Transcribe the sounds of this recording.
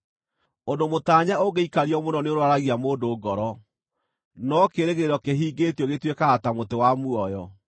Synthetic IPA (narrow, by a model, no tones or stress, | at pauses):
ondomotaːɲaoɣeikaɾiɔmonɔneoɾwaɾaɣiamoːndoːɡɔɾɔ | nɔkeɾeɣeɾɔkeɦiːɡetjɔɣetwekaatamotewamuɔjɔ